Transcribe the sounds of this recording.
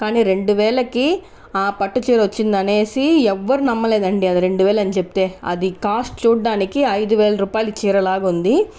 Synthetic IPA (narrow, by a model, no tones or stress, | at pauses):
kaːniːɾe̞ɳɖuʋɛːlɐki | aːpɐʈːut͡ʃiːɾɐʋɐt͡ʃːind̪ɐne̞ːsiɛʋːɐɾunɐmːɐleːd̪ɐɳɖiɐd̪iɾe̞ɳɖuʋɛːlɐnt͡ʃepi̥t̪e̞ːɐ̰d̪ikaːsʈ̚t͡ʃuːɖːaːnikiɐjd̪uʋeːlɐɾuːpaːjilut͡ʃiːɾɐlaːɡund̪i